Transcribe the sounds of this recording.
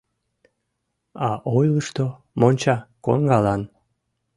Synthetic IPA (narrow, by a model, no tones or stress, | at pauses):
ɑʔojləʃt̪o | monʲt͡ɕɑko̰nɡɑlɑn